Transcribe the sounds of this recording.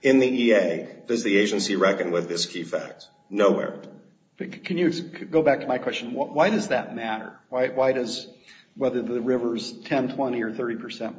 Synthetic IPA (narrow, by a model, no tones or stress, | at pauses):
ɪ̃nðiʔieɪɡ̥ʌzðieɪd͡ʒɨ̃nsiɹɛkɨ̃nwɪðɪskʰifæ̰k̚t̚ | noʊwɛ̰ɹ | b̥ʌkʰɨ̃njɨsʰɡoʊbæk̚tʰəmaɪkʰw̥ɛst͡ʃɨ̃nwʌwaɪɾʌzðɨt̚mæɾə̰˞waɪwaɪɾʌz | wɛðə˞ðɨɹɪvə˞z̥tʰɛ̃ntʰw̥ɛ̃ɾ̃iə˞θɜ˞ɾipʰə˞sɛ̃n